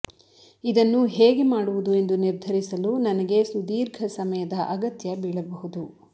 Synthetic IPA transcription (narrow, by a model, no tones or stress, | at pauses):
id̪ɐnːuɦeːɡe̞maːɽuʋud̪ue̞nd̪uniɾd̪ʱɐɾisɐlunɐnɐɡe̞sud̪iːɾɡʱɐsɐmɐjɐd̪ɐʔɐɡɐt̪jɐbiːɭɐbɐɦud̪u